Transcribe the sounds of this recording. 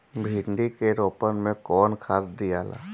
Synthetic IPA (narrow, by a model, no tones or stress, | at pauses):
bʱiːɳɖikeɾoːpənmẽkɔːnkʰaːɾd̪ijaːla̰ː